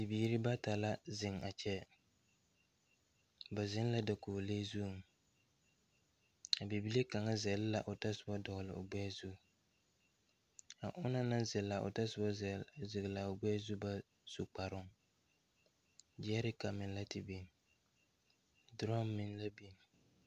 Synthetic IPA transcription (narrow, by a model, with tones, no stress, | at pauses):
bi˨biː˨˦ɾɪ˦ba˦ta˨la˦zɪ˨ŋa˨t͡ʃɛ˦ | ba˨zɪ˦n˦la˦da˨koː˨le˦zu˦˨ŋ | a˨bi˨bi˦le˦ka˨ŋa˦zɛ˨lɪ˦la˨ʔʊ˨ta˦sʊ˨ba˦dɔ˨ɣlɪ̰˨ʊ̰˨ɡ͡bɛː˦zu˦ | a̰˨ʔʊ˦na˦na˦zɪ˨la˨ʔʊ̰˨ta˦sʊ˨ba˦zzɪ˨ɣɪ˨la˨ʊ˨ɡ͡bɛ˦zu˦ba˦ | su˨k͡pa˨ɾʊ˦ŋ | d͡ʒɛ˦ɾɪ˦ka˨mɪ̃˨n˦la˦tɪ˨bi˨n | dɾɔ˦mːɪ̃˨n˦la˦bi˨n